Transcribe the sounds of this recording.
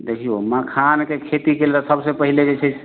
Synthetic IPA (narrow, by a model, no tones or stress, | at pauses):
d̪ekʰijoməkʰankekʰet̪ikelt̪ɔsəbsepəɦiled͡ʒet͡ʃʰɛt͡ʃʰ